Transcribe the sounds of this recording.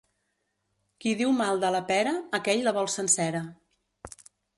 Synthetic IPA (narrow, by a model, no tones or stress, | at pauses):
kiðiwmalˠd̪ələpɛɾəːkɛʎləβɔlˠsənsɛɾə